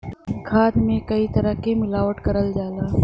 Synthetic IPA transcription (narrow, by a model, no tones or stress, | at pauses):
kʰaːd̪mẽkəit̪əɾəɦkemɪlaːʋəʈkəɾəld͡ʒaːlaː